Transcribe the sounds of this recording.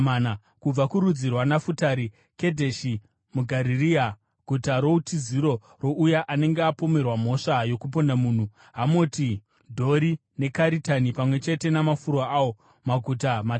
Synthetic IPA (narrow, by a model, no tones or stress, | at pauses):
ana | kub͡vakuɾud͡zirwanafutaɾi | ke̞dʱe̞ʃi | muɡʱaɾiria | ɡ̥ʱutaɾo̞utʰiziɾo̞ | ro̞ʔujaʔane̞ŋɡeapo̞me̞rwamo̞ʂajo̞kup̬ondamuːn̤u | ɦamoti | dʱo̞ɾine̞kaɾitanipamwe̞t͡ʃe̞te̞namafurwaʔaːwo | maɡʱut̬ama